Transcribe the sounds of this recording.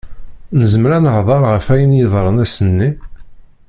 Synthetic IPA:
nəzəmɾænəʕðˤɑɾˤʁəfæjənjəðˤɾˤənæsənːi

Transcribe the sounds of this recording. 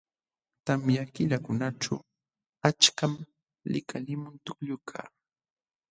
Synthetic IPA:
t̪amjakɪʎakʊnaʈ͡ʂa̰w | at͡ʃkam | lɪ̰kʰalɪmʊnt̪ʊkʎʊkʰa̰ː

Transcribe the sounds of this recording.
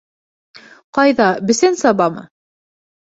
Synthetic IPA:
qɑjðɑbɘ̆sɘnsɑβɑmɤ̰

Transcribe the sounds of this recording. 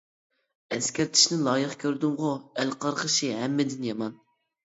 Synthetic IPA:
ɛskʲʰɛɾt̪ʰi̥ʃnɪlˠɑːjɨχkʲʰøɾd̪ymʁʊɛlqʰɑɾqəʃiɦɛmːɪd̪ɪnjɑmɑn

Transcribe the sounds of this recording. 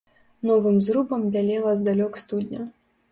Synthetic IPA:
nɔvɨmzɾubɐmbʲalʲɛlˠɐzd̪alʲɔkst̪ud̪ʲnʲɐ

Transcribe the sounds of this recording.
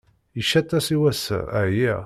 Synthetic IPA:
əʃæt̪ːæsiwæsə̰ɾæji

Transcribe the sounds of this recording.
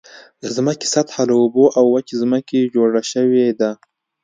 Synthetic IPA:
d̪əzməkɪ̥sat̪halaoboʔawːakizməked͡ʒoɽaʃəwed̪a

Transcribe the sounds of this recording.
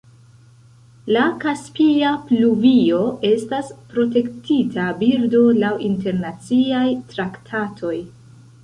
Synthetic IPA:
lakaspiapluvio̞e̞staspɾo̞te̞ktitʰabiɾdo̞lawinte̞ɾnat͡siajtɾaktʰatʰo̞j

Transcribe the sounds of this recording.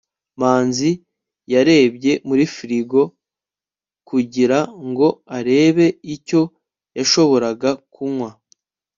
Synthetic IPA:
maːnzi | jaɾe̞ːbɟe̞muɾifiɾiɡo̞ | kuɟiɾaŋɡo̞aɾe̞ːβe̞ico̞ | jaʃo̞βo̞ɾaɡakumŋwa

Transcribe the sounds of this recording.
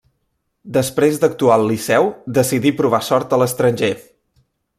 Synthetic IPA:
d̪əspɾezd̪ək̚t̪ualˠlːisɛwd̪əsiðipɾuβ̞asɔɾt̪ələst̪ɾənʲʒe

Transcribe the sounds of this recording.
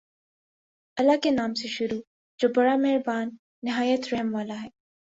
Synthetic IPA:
ɐlakenaːmseʃʊɾu | d͡ʒoːbɐɽamɐɦɪɾbaːnː | ɪɦaːjət̪ɾɛɦmʋaːlaɦɛː

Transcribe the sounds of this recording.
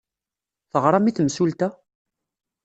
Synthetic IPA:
θəʁɾˤɑmiθəmsult̪æ

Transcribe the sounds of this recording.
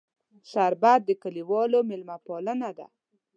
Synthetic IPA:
saɾbad̪̚ːəkaliwɑlomɪlmapɑlənad̪a̰

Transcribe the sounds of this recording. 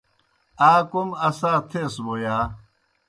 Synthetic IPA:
aːkumɐsaːt̪ʰeːsbojaː

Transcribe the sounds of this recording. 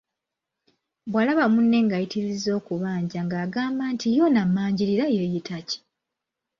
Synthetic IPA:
bwalaβamunːe̞ŋɡajitiɾizo̞ːkuβaːɲɟaŋɡaːɡaːmbaːntʰijonamːaːɲɟiɾiɾajejitaci̥

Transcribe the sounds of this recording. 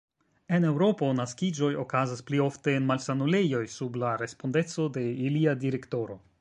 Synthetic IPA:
e̞ne̞wɾo̞po̞naskid͡ʒo̞jo̞kazasplio̞fte̞ːnmalsanule̞jo̞jsublaɾe̞spo̞nde̞t͡so̞de̞iliadiɾe̞kto̞ɾo̞̰

